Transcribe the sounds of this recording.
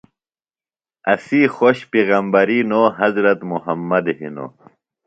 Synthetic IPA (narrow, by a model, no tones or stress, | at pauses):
ɐsixoɕpiɣɐmbɐɾiːnoɦɐzɾɐt̪muɦɐmːɐd̪ɦḭno̰